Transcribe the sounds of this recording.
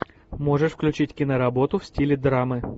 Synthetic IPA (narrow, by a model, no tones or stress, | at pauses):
mo̞ʐɨʂfklʲʉt͡ɕitʲkʲɪnəɾɐbo̞t̪ʊfsʲtʲilʲɪd̪ɾamɨ